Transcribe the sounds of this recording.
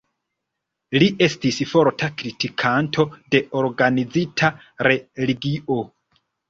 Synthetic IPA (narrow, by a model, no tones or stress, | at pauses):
liʔe̞stisfo̞ɾtʰakɾitikʰantʰo̞de̞ʔoɾɡanid͡zitʰa | ɾe̞liɡiʔo̞